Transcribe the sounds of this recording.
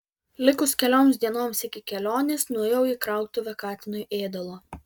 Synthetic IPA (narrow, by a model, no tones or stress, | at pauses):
lʲɪkʊskʲɛlʲoːmsd̪ʲiɛnoːmsɪkʲɪkʲɛlʲoːnʲesnuɔjɛʊiːkɾɑˑʊkt̪ʊʋʲɛkɑːt̪ʲɪnʊjʔeːd̪ɐlˠoː